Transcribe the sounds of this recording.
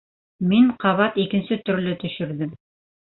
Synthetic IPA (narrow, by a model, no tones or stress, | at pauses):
miɴqɑβɑt̪ikɘ̆nsɘt̪ɵ̆ɾlɘt̪ɵ̆ʃɘ̆ɾðɘm